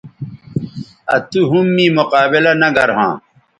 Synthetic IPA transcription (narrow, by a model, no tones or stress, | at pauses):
ɐ̰t̪uɦumːĩːmoqaːbilɐnɐɡɐɾɦã̰ː